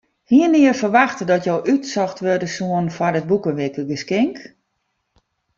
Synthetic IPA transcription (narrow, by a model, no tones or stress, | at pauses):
hiənɪəfərʋaxtədɔtjowʔytsɔxtʋørdəsuənfɔrət̚bukəʋɪkəɡəskɪŋk